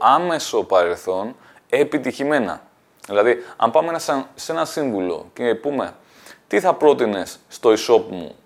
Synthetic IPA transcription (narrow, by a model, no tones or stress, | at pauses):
ɐme̞so̞pɐɾe̞lθo̞n | epit̪içime̞nɐ̰ | ðilɐðiɐ̰mpɐmesese̞nɐsiɱvulo̞̰cepume̞̰ | t̪iθɐpɾo̞t̪ine̞sːt̪o̞iso̞pmṵ